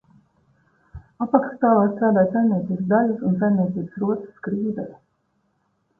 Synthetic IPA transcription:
apakst̪aːlˠaːst̪ɾaːd̪aːjt̪sajnnʲiɛt̪siːbsd̪alusuns̬ajmnʲiɛt̪siːbɨsɾuɔt̪sə̥skɾiːd̪ɛɾ

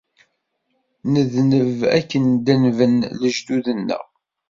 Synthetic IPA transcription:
nəðnəvæ̰kːənd̪ənvənləʒd̪uðənːə̰ʁ

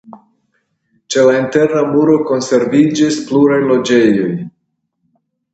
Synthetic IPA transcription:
t͡ʃe̞lainte̞ɾnamuɾo̞ko̞nse̞ɾvid͡ʒispluɾajlo̞d͡ʒe̞jo̞j

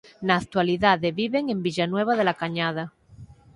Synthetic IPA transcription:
naːk̚t̪waliðaðeβiβe̞ŋẽ̞mbiʎanwe̞β̞aðe̞lakaɲað̞a

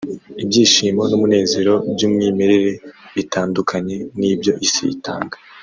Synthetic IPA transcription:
ibɟiːʃiːmo̞numune̞ːze̞ɾo̞bɟuːmŋiːme̞ɾe̞ɾe̞βitʰaːndukʰaɲe̞nibjo̞ʔisḭḭta̰ːŋɡḁ

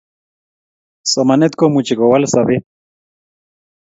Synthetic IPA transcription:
somanet̪komut͡ʃiɣowalsaβe

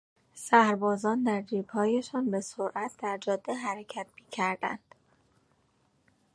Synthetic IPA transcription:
sæhɾbɒːzɒːnd̪æɾd̪iːbhɒːjeʃɒːnbe̞soɾʔæt̪ʰd̪̥æɾd͡ʒɒːd̪ːeɦæɾecʰæt̪̚miːcʰæɾd̪̥æ̰nd̪̥

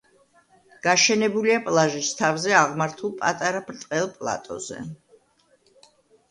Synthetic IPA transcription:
ɡ̥aʃɛnɛbuliapʼlˠaʒist̪ʰavzɛaʁmaɾt̪ʰulˠpʼa̰t̪ʼaɾapʰɾt̪ʼqʼɛlˠpʼlˠa̰t̪ʼɔ̰z̥ɛ̰

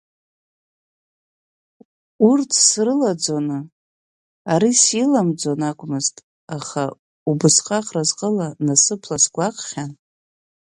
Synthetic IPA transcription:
urtʰsrɨlad͡zonɨ | aɾisilamd͡zonakʷʼmɨztʼ | aχa | ubɨsqʼaqrazqʼəlanasɨpʰlasɡʷaqʼχʲan

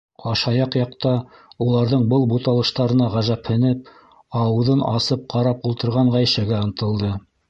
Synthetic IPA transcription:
ɑʃɑjɑqjɑqt̪ɑulˠɑɾðɤɴbɤlˠbut̪ɑlˠɤ̆ʃt̪ɑɾɤ̆nɑʁæʒæphɘ̆nɘp̚ | ɑwɤ̆ðɤnɑsɤp̚qɑɾɑpulˠt̪ɤ̆ɾʁɑɴʁæjʃæɡæɤ̆nt̪ɤ̆lˠd̪ɤ

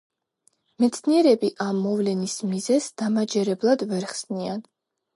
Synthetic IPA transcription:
mɛt̪sʰniɛɾɛbiʔamːɔvlɛnismizɛsd̪̥amad͡ʒɛɾɛblˠad̪vɛɾχsnian

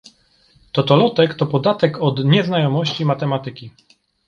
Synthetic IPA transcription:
t̪ɔt̪ɔlɔt̪ɛkt̪ɔpɔd̪at̪ɛkɔd̪ɲɛznajɔmɔɕt͡ɕimat̪ɛmat̪ɘkʲi

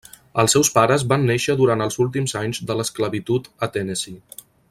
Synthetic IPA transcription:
əlˠsɛwspaɾəzβanːeʃəðuɾant̪əlˠzulˠt̪̬imzaɲzðələskləβit̪ut̪ət̪ɛnezi

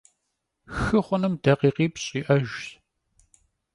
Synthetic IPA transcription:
xɨχʷʊnɨmdɐqiːqiːpɕʼiːʔɐʒ

